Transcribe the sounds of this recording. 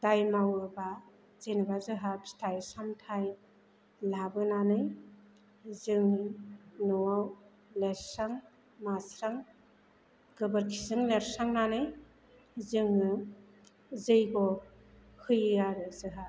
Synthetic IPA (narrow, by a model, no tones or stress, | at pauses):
d̥ajmawɯba | z̥enɯbazɯɦapstʰajsamtʰaj | labɯnanɯj | zɯŋ | nɔwaw | leɾsaŋ | masɾaŋ | ɡ̥ɯbɯɾkʰi̥sɯŋleɾsaŋnanɯj | zɯŋɯ | zɯjɡɔ | hɯjaɾɯzɯɦa